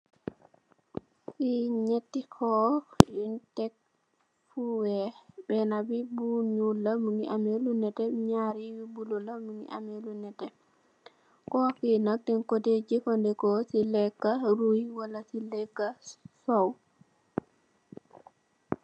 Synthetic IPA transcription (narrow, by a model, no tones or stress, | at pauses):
siɲetːikʰɔintɛk̚ | fuwɛbɛnabibuɲulamuŋiʔamɛlunɛtɛɲaɾiwibulɔlamuŋḭʔa̰mɛlunɛtɛ | kɔkinak̚tɛnkoded͡ʒikɔndɛkɔsilɛkːaɾujiwalasilɛkːasɔw